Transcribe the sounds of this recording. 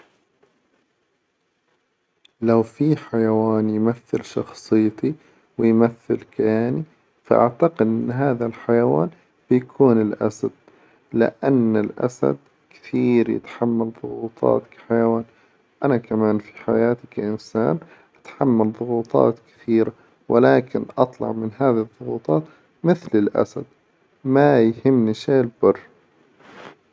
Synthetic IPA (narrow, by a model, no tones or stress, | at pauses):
lawfiħajawaːnjmaθːɪlʃɑxsˤɨjt̪i | wɪjmaθːɪlkaaːni | faʔa̰ʕt̪aqɪd̪ʔɪnːɦaːðalħajawa̰ːn | b̥ɪjkʰuːnɪlʔa̰sad̪̥̚ | lɪ̰ʔanːɪlʔa̰sa̰d̪̚ | kɪ̥θiːɾjɪ̰t̪ħamːalðˤʊɣuːt̪ˤʰɑ̰ːt̪kḁħajawaːn | ʔanakamaːnfi̥ħajaːt̪ɪkʔɪnsa̰ːn | ʔat̪ħamːalðˤʊɣuːt̪ˤɑ̰ːt̪kɪ̥θiːɾa | wʔɪlaːkɪnʔɑt̪ˤlɑ̰ʕmɪnhaːðiɨðˤːʊɣuːt̪ˤɑːt̪ | mɪθlɪlʔa̰sad̪̥̚ | majhɪmːniʃeːlbʊrˤː